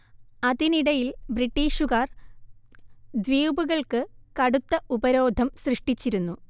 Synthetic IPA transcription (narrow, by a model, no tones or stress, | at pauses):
ɐðiniɽɐjilbriʈːiːʂuɣaːr | d̪ʋiːbuɣɐɭkɨkɐɽut̪ːɐʔubɐɾo̞ːd̪ʱɐmsrɨʂʈit͡ɕːiɾunːu